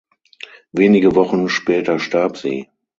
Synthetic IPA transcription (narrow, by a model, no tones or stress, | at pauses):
veːnɪɡəvɔχn̩ʃpɛːtɐʃtaɐpz̥ḭː